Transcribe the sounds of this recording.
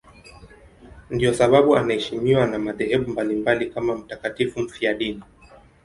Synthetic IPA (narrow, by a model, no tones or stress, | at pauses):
ndiɔsaɓaɓuanahɛʃimiwanamaðɛhɛɓumbalimbalikamam̩takatifum̩fiaɗini